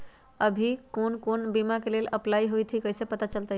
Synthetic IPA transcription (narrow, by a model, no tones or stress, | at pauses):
əbʱikonkonbimakeleləplaiɦojt̪ʰikəjsepət̪at͡ʃəlt̪ə